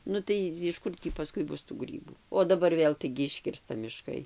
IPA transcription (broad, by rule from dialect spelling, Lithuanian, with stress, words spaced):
ˈnʊ tɐɪ jɪʃ ˈkʊr tʲiː pɐˈskʊɪ ˈbʊs tuː ˈɡrʲiːbuː oː dɐˈbɐr ˈʋʲeːlˠ tɐɪɡʲɪ ˈɪʃʲkʲɪrstɐ mʲɪˈʃkɐɪ